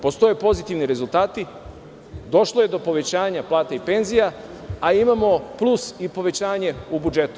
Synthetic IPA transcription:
po̞st̪o̞jepo̞zit̪iʋniɾe̞zulˠt̪aːt̪i | d̪o̞ʃlˠoje̞d̪o̞po̞ʋe̞t͡ɕaːɲaplˠaːt̪eipe̞nzijaː | imamo̞plˠusipo̞ʋe̞t͡ɕaːɲe̞ubud͡ʒe̞t̪u̥

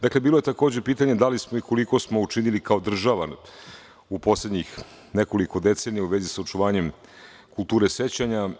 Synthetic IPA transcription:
d̪akle̞biːlˠo̞jet̪ako̞ːd͡ʑepiːt̪aɲed̪alismo̞iko̞liko̞smo̞ut͡ʃinilikao̞d̪r̩ʒaʋan | upo̞sled̪ɲix | neko̞liko̞d̪e̞t̪senijauʋe̞zisao̞t͡ʃuʋaːɲe̞m | kulˠt̪uːɾese̞t͡ɕaɲa

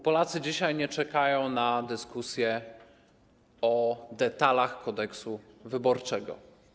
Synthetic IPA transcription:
pɔlat̪sɘd͡ʑiɕajɲɛt͡ʂɛkajɔ̃w̃nad̪ɘskusʲjɛ | ɔd̪ɛt̪alaxkɔd̪ɛksuvɘbɔɾt͡ʂɛɡɔ̰

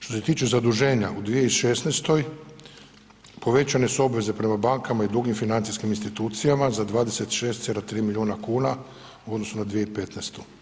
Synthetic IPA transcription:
ʃt̪o̞se̞t̪iːt͡ʃezad̪uʒe̞ːɲaʔud̪ʋijeiʃe̞st̪nest̪o̞j | po̞ʋe̞t͡ʃane̞suo̞bʋe̞zepɾe̞mabaŋkamaid̪ɾuɡimfinant̪siskiminst̪it̪uːt̪sijamazad̪ʋaːd̪e̞se̞t̪ʃe̞ːst̪selat̪ɾiːmiʎʲjiuːnakuːna | uod̪nosunad̪ʋijeipe̞t̪nest̪u̥

